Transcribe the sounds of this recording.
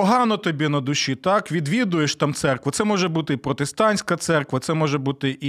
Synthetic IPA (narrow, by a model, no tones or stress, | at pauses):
pɔɦɑnɔt̪ɔbʲinɐd̪ʊʃʲit̪ɑkʋʲid̪ʋʲid̪ʊjeʃt̪ɑmt̪sɛrkʋɐt̪sɛmɔʒɛbut̪ɪpɾɔt̪est̪ɑnʲsʲkɐt̪sɛrkʋɐt̪sɛmɔʒɛbut̪ɪi